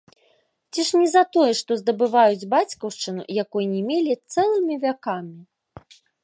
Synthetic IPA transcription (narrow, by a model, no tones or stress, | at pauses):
t͡sʲiʂnʲɛzɐt̪ɔjɛʂt̪ɔzd̪ɐbɨvajud͡zʲbat͡sʲkɐwʂt͡ʂɨnṵjakɔjnʲɛmʲelʲit̪sɛlˠɨmʲivʲakamʲi